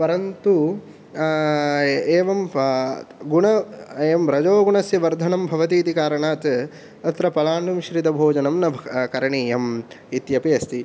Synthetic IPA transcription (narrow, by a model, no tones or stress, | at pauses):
pɐɾɐnt̪u | eːʋɐm | ɡuɳɐemɾɐd͡ʒoːɡuɳɐsjɐʋɐɾd̪ʱɐnɐmbʱɐʋɐt̪iːt̪ikaːɾɐɳaːt̪ | ɐt̪ɾɐpɐlaːɳɖumʃɾid̪ɐbʱoːd͡ʒɐnɐmnɐbʱkɐɾɐɳiɐm | it̪jɐpijɐst̪i